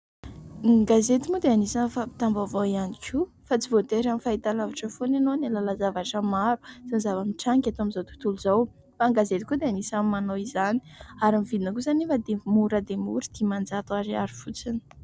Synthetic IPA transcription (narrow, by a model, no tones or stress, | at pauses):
ɡazet̪imud̪eanisanfapi̥t̪ambavoianikʲʰu | fat͡sivot̪eɾamifait̪alavaʈ͡ʂəfonanonalalazavaʈ͡ʂəmaɾu̥t͡sinzavamiʈ͡ʂaŋkʲat̪oamizowt̪u̥t̪uluzaw | faːŋɡazet̪i̥kud̪eanisamːanowizani̥aɾimivid̪inakuzanifad̪emuɾəd̪emṵɾid̪̥imand͡zat̪uaɾiaɾifut͡sini̥